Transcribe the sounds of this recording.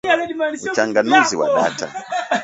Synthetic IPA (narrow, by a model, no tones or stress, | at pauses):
ut͡ʃaːŋɡanuziwa̰ɗa̰ːta̰